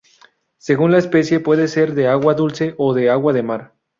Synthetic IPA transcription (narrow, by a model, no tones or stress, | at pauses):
se̞ɣunlaespe̞sje̞pwe̞ðe̞se̞ɾðeaɣwaðulse̞ʔoðe̞aɣwaðe̞maɾ